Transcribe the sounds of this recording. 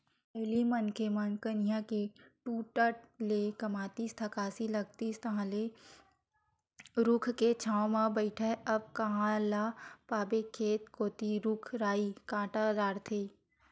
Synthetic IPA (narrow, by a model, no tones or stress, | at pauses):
pɛɦlimənkʰemɐnkənijãkeʈuːʈəʈlekɐmaːt̪ist̪ʰɐkaːsilɐɡ̚t̪ist̪ɐɦãle | ɾʊkʰket͡ʃʰãːõmãbəɪʈʰɛɐb̚kɐɦãlapaːbekʰːeːt̪koːt̪iɾukʰɾaːikãːʈad̪aːɽt̪ʰeː